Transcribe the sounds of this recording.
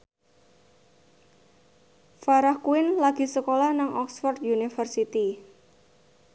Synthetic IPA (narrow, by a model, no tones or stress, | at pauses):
faɾahkuɪnlaɡ̥i̤səkolahnaŋʔɔksfɔrt̪junifərsit̪i